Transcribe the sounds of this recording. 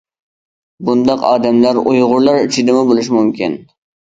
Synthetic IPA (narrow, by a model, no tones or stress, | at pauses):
bund̪ɑqɑ̰ːd̪ɛmlæɾujʁʊɾlˠɑɾit͡ʃʰid̪ɪmʊbolˠuʃ̬mumkʲḭn